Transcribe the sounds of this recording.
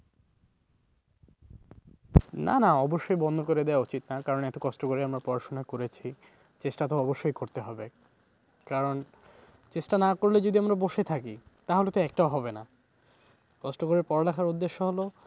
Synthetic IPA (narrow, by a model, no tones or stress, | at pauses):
na̰naɔboʃːojbɔnd̪ʱokoɾed̪ɛaot͡ɕit̪nakaɾonɛt̪okɔsʈokoɾeamɾapɔɾaʃonakoɾet͡ɕʰi | t͡ɕesʈat̪oɔboʃːojkoɾt̪eɦɔbe | kaɾon | t͡ɕesʈanakoɾled͡ʑod̪iamɾaboʃet̪ʰakit̪aɦolet̪oɛk̚ʈaoɦɔbena | kɔsʈokoɾepɔɾɖakʰaɾud̪ːeʃːoɦolo